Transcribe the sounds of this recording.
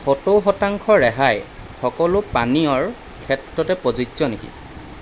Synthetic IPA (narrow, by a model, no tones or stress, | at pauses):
xɔtoxɔtaŋkʰɔɹɛɦaj | xɔkɔlʊpaniɔɹ | kʰɛtɹɔtɛpozudzɔnekḭ